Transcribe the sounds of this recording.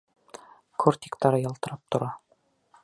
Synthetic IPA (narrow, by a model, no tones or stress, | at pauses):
kʰort̪ʲi̥kt̪ɑɾɤjɒlˠt̪ɤ̆ɾɑp̚t̪ŏɾɑ